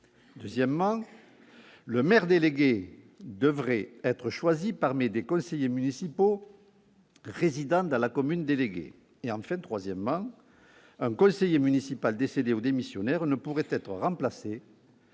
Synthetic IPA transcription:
d̪øzjɛmmɑ̃ | ləmɛʁd̪eleɡe | d̪əvʁɛɛt̪χəʃwazipaʁmid̪ekɔ̃sejemynisipo | ʁezid̪ɑ̃d̪ɑ̃lakɔmynd̪eleɡḛ | eɑ̃fɛ̃t̪χwazjɛməmɑ̃ | ɛ̃ŋkɔ̃sejemynisipald̪esed̪eod̪emisjɔnɛʁnəpuʁɛt̪ɛt̪χəʁɑ̃plase

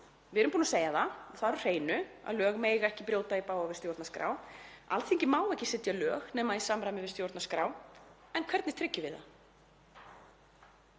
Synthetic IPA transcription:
vɪɛɾʏmpunaseːjaθaθaðɾʏr̥eːjnʏa̰ðlœːɣmeːjɣaɛhcɪpɾjoːwt̪aipaːwavɪst̪jowɾt̪naskɾa̰ːwa̰lt̪θɪ̃ŋcɪmaːwɛhcɪsɪt̪jalœːɣnɛːmaisamɾajmɪvɪst̪jowɾt̪naskɾaːw | ɛnkʰvɛɾt̪nɪt̪ʰɾɪcːɪvɪða̰

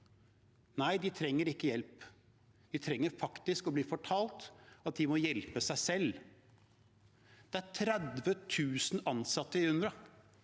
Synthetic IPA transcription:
næɪd̪ɪt̪ʰɾɛŋːəɾɪkːəjɛlp | d̪̥ɪt̪ʰɾɛŋːəɾfɑkt̪ɪskɔbliːfɔʈʰɑːlt̪ɑt̪̚d̪ɪmɔjɛlpəsæɪsɛlː | d̪̥ɛæɾʈʰɾæd̪ʋət̪ʰʉːsn̩ɑnsɑt̪ːəɪhʉnd̪ɾə

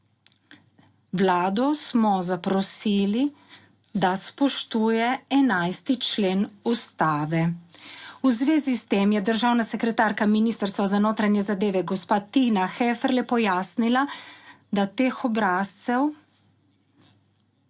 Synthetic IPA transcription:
wlaːd̪ɔsmɔzapɾɔsiːli | d̪aspɔʃt̪uːjɛɛnajst̪it͡ʃleːnust̪aːʋɛ | uzʋeːzist̪eːmjɛd̪əɾʒaːwnasɛkɾɛt̪aːɾkaminiːst̪əɾst̪ʋazanoːt̪ɾanjɛzad̪eːʋɛɡɔspaːt̪inaxeːfɛɾlɛpɔjaːsnila | d̪at̪eːxɔbɾaːst̪sɛw

